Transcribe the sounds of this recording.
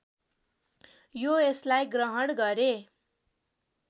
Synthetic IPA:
joeslajɡrʌɦʌɽɡʌɾe

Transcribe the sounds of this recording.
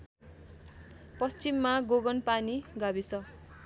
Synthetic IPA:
pʌst͡ɕimːaɡoɡʌnpaniɡabisʌ

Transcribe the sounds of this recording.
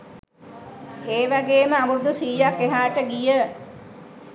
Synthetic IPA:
eːʋaɡeːməabud̪usiːjakːeɦaːʈəɡijə

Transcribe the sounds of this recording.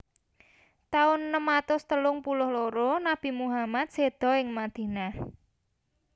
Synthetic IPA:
t̪aʊnːəmːat̪ʊst̪əlʊŋpulʊhloɾonab̥i̤muɦamat̪̚sed̪̥ɔ̤ɪŋmad̪̥i̤nah

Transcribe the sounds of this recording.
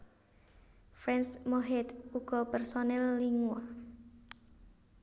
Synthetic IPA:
fɾɛnsmoɦɛt̪uɡ̥ɔ̤pɛrsonɛlːiŋuwa

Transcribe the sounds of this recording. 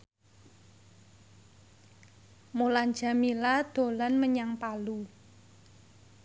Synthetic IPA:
molan̥d͡ʒa̤milad̪̥o̤lanməɲaŋpalu

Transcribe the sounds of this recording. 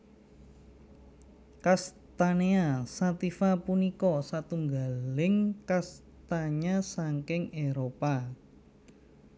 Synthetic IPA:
kast̪aneasat̪ifapunikɔsat̪uŋɡalɪŋkas | t̪aɲasaŋkɪŋeɾopa

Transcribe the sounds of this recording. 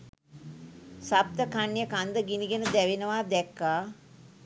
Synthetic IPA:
sap̚t̪əkanːjəkand̪əɡiniɡenəd̪ɛʋenəʋaːd̪ɛkːaː

